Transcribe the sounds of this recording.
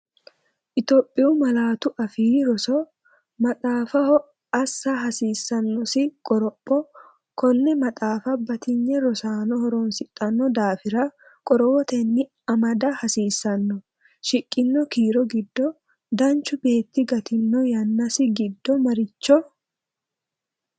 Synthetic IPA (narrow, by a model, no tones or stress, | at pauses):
ʔɪt̪ɔːpʼːɪʊmɐlaːt̪ʊʔɐfiːɾɔsɔ | mɐt̪ʼaːfɐhɔ | ɐsːɐɦɐsiːsːɐnːɔsɪkʼɔɾɔpʼːɔ | kɔnːɛmɐt̪ʼaːfɐbɐt̪ɪɲːɛɾɔsaːnɔhɔɾɔːnsɪt̪ʼːɐnːɔd̪aːfɪɾɐ | kʼɔɾɔwɔt̪ɛnːɪ | ɐmɐd̪ɐhɐsiːsːɐnːɔ | ʃɪkʼːɪnːɔkiːɾɔɡɪd̪ːɔ | d̪ɐnt͡ʃːʊbe̞ːt̪ːɪɡɐt̪ɪnːɔjɐnːɐsɪɡɪd̪ːɔmɐɾɪt͡ʃːɔ